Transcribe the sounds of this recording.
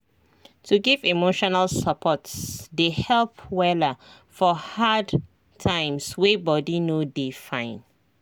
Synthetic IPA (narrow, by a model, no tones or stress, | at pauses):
tuɡivimoʃɔnalsəpʰɔtsdehɛlpwɛla | fɔhad | tʰãɪ̃mswebɔdinodefãɪ̃n